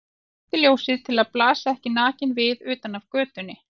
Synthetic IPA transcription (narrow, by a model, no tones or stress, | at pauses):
θɪljowsɪðt̪ʰɪlaðplaːsaɛhcɪnaːcɪnvɪðʏːt̪anavkœːt̪ʏnːɪ